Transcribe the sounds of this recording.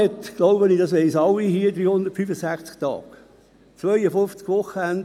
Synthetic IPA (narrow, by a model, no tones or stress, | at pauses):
ɛt̪ɡ̥loʊbəniːdɑsʋɛɪsɑlːihiːd̪ɾyːhʊnd̪ətfyfəsæχt͡skt̪ɑ̰ːk | t͡sʋœjəfʊft͡skʋʊχːəɛnd